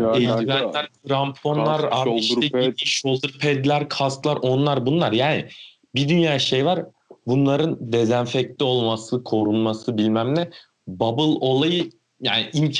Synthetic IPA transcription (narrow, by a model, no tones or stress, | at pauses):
elvænʲæɾkʰɾampʰo̞nlˠaɾaiʃt̪ɛid̪iʃolˠd̪uɾpʰɛd̪lʲæɾkʰasklˠaɾʔo̞nlˠaɾbunlˠaɾjaːnɪ̰ | bid̪ynjaːʃe̞jvaɾ | bunlˠaɾɯnd̪e̞zænfɛc̚lʲio̞lˠmasɯkʰo̞ɾunmasɯbilʲmæmlʲɛ | babɯlˠo̞lˠajɯ | ja̰ːniʔimʰ